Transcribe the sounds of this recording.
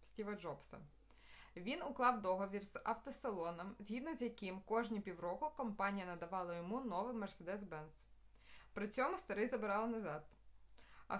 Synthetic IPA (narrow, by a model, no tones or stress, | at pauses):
sʲtʲiʋɐd͡ʒɔbsɐ̰ | ʋʲinʊklˠɑwd̪ɔɦɔʋʲirz̥ɐwt̪ɔsɐlˠɔnɔmzʲɦʲid̪nɔzʲjɐkɪmkɔʒnʲipʲiwɾɔkʊkɔmpɑnʲijɐnɐd̪ɐʋɑlˠɐjɔmunɔʋɪmɛrsed̪ɛsbɛns | pɾɪt͡sʲɔmʊst̪ɐɾɪzɐbɪɾɑlˠnɐzɑd̪ | ɐ̰